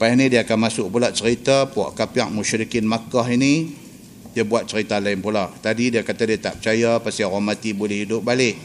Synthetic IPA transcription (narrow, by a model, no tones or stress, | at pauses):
pajanidiakanmasʊk̚pulaʔt͡ʃəɾit̪apua̰ʔkapiaʔ̚muʃɾikɪnmakahini | diabuat̪̚t͡ʃəɾit̪alaɪnpulaʔt̪adidiakat̪adiat̪aʔp̚t͡ʃajapasiarɔmat̪ibolɛhidʊp̚balɪʔ